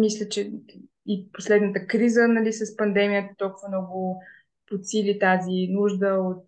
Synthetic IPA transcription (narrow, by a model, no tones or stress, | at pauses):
mislʲət͡ʃɛ | iposlɛd̪nət̪əkɾizənɐlisɐspɐnd̪ɛmijət̪ət̪ɔlˠkʊvənɔɡʊ | pot̪silit̪azinuʒd̪əot̪̚